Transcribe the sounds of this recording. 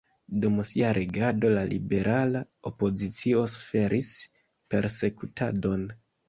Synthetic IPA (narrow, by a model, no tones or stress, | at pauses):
dumsiaɾʔeɡado̞lalḭbe̞ɾʔalaopo̞zit͡sio̞sfe̞ɾʔis | pe̞ɾse̞kutʰa̰do̞n